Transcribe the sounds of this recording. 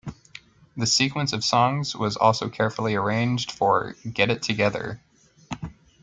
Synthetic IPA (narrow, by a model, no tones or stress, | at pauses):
ðɨsikwə̃nsʌv̥sɔ̃ŋz̥wʌzɔ̰lˠsoʊkʰɛɹfl̩ˠiə˞ẽɪ̃nd͡ʒd̥fə˞ɡɛɾɨtʰɨɡɛðə̰˞